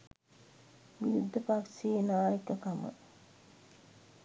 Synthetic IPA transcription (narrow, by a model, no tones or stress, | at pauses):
ʋiɾud̪ʱːəpakseːnaːjəkɐkamə̰